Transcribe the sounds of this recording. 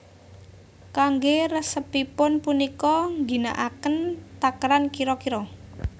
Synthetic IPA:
kaŋɡeɾəsəpipʊnpunikɔŋɡi̤na̰ʔakənt̪akɾankiɾɔkiɾɔ

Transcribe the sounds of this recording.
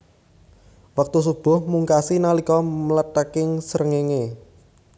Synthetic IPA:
wak̚t̪us̬ub̥ʊ̤hmuŋkasinalikɔmələt̪əkɪŋsəɾəŋeŋe

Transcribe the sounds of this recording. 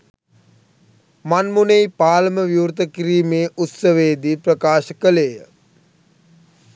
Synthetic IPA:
manmunejpaːləməʋjuːɾt̪əkiɾiːmeːʔut̪səʋeːd̪iprəkaːʃəkəleːjə

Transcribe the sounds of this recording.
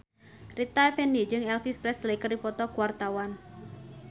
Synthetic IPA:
rit̪apɛnid͡ʒɨŋɛlfispɾɛslekərdipɔt̪ɔkuwart̪awan

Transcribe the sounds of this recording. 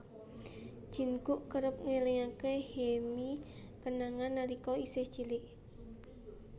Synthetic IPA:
d͡ʒ̥i̤nɡuʔkəɾəp̚ŋeliŋakehemi | kənaŋanːaɾikɔiseht͡ʃilɪʔ

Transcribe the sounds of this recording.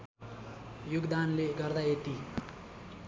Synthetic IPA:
juɡd̪anleɡʌrd̪aeʈ̪i

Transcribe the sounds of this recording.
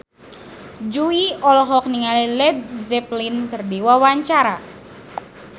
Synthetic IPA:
d͡ʒuiɔlɔɦɔk̚niŋalilɛd̚zɛplinkərdiwawaɲt͡ʃaɾa

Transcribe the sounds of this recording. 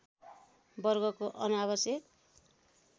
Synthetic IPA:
bʌrɡʌkoʔʌnaβʌsjʌk

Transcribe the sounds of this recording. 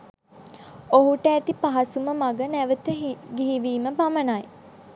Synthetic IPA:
oɦuʈəæt̪ipaɦɐsuməmaɡənæʋət̪əɡiɦiʋiːməbamənaj

